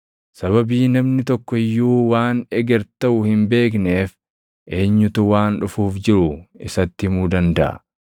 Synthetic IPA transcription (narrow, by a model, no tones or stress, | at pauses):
sɐβɐbiːnɐmnɪt̪ɔkːɔɪjːuːwaːnɛɡɛɾt̪ɐʔʊhɪmbe̞ːk̬ne̞ːf | ʔe̞ːɲːʊt̪ʊwaːnᶑʊfuːfd͡ʒɪɾʊɪsɐt̪ːɪmuːd̪ɐnd̪ɐʔɐ̰